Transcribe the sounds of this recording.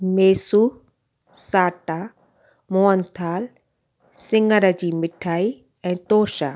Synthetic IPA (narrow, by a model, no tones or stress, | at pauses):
meːsuː | saːʈa | moːənt̪ʰaːl | sɪ̃ŋɡəɾəd͡ʑiːmɪʈʰaːi | ɛ̃ːt̪oːʃaː